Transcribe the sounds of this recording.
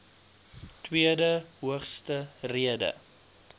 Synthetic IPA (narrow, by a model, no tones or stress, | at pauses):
twiədəɦuəχstəriədə̰